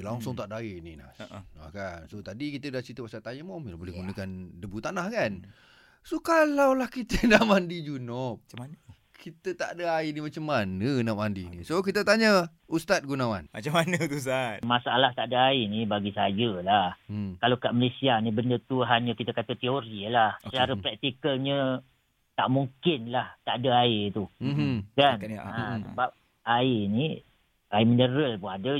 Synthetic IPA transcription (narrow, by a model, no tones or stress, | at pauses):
laŋsʊŋt̪aʔdainina̰a̰kansot̪adikit̪ədaht͡ʃit̪əpasat̪aɲəmɔmilabolɛhɡunəkandəbut̪anahkan | sokalawlahkit̪ənamandid͡ʒunɔp̚manə | kʰit̪ət̪a̰ʔdəainimat͡ʃamːanənamandinisok̬it̪ət̪aɲə | ust̪at̪̚ɡunawa̰nmat͡ʃamanət̪us̬at̪̚masaʔalaht̪adəainibaɡisajəlahkalokaʔməlesianibəndət̪uɦaɲə̃kit̪əkat̪ət̪ioɾilahsət͡ʃaɾəpɾɛk̚t̪ikəlɲə̃ | t̪aʔmuŋkɪnlaht̪aʔadəait̪umɦ̩kanasəbap̚ | aini | aiminəɾəlpʊŋadə